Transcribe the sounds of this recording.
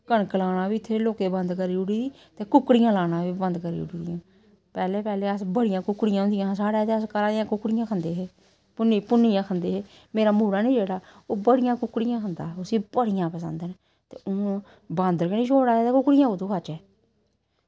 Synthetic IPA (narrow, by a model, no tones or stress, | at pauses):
kəɳklaːɽaːbiːɪt̪ʰːeːloːkeːbənd̪kəɾiːʊɽiːd̪iː | t̪eːkʊkɽɪjãːlaːɽãːʋiːbənd̪kəɾḭːʊ̰ɽiːd̪ɪjãː | pɛːleːpɛːleːəsbəɽɪjãːkʊkːɽɪjãːʊ̃nd̪ijãːsaːɽaːt̪eəskəɾaːd̪ɪjãːkʊkɽɪjãːkʰənd̪eːɦeː | pʊniːpʊnijãːkʰənd̪eːɦeː | meːɾaːmuːɾaːnĩːd͡ʒeːɽaːoːbəɽɪjãːkʊkːɽɪjãːkʰənd̪a̰ːʊsiːbəɽɪjãːpəsə̰nd̪eːn | t̪eːoː | bãːnd̪əɾkənĩːʃʰoːɽaːet̪eːkʊkːɽɪjãːʊːt̪oːkʰat͡ʃɛː